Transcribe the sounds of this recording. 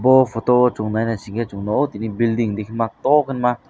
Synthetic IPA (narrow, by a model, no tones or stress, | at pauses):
bofʰot̪owot͡ʃuŋnanat͡ʃiŋɡet͡ʃuŋnoot̪inibild̪iŋd̪ikʰnmat̪okʰənma